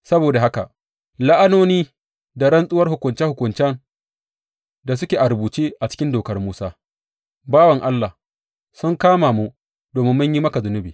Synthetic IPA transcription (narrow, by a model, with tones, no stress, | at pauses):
sɐ˦boː˨da˨ɦa˦ka̰˨ʔ | la˦ʔa˦noː˦niː˦ | da˨ɾɐ˦nsʼʊ˦wɐ˦rhʊ˨kʷʊ˨nt͡ʃɛ˦hʊ˨kʷʊ˨nt͡ʃɛ˦n | da˨s̬ʊ˦kʲeː˨ʔa˨ɾʊ˨buː˨t͡ʃeː˦ʔa˨t͡ʃɪ̥˦kʲɪ˦ndoː˨kɐ˦rmuː˦saː˦ | baː˦wɐ˨ŋʔa˦lːa˨ | sʊ˦ŋkaː˦maː˨mu˦ | doː˨mɪ˦mːɪ˦ɲji˦mɐ˦ka˨zʊ˨˦nʊ˦bḭː˨